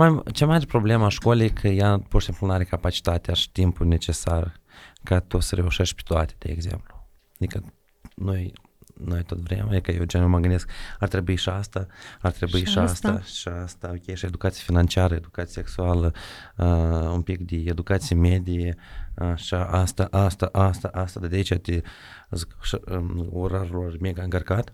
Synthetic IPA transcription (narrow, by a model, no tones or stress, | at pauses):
mat͡ʃemaɾepɾo̞ble̞maʃko̞lʲejkʰəjapoʃt̪emplunaɾʲekapat͡ʃi̥t̪at̪eaʃi̥t̪impulne̞t͡ʃe̞sarkat̪usəɾe̞uʃeʃt̪̚ʲpe̥t̪oat̪ed̪̥ḛːɡze̞̰mplu̥ | ad̪ikə | noj | noajt̪ot̪vɾḛmaj̪kəjewt͡ʃanoməɡɨnd̪eskart̪ɾe̞buiʃiast̪aart̪ɾebuiʃiasst̪ḁʃiast̪akʲejeʃed̪ukat̪sijefinant͡ʃiaɾəed̪ukat̪siseksualə | umpikd̪eed̪ukat̪sijemed̪ijeaʃaʔast̪aʔast̪aʔast̪aʔast̪ad̪ad̪ʲait͡ʃat̪e | zkʃoɾaɾulormeɡaɨŋkərkat̪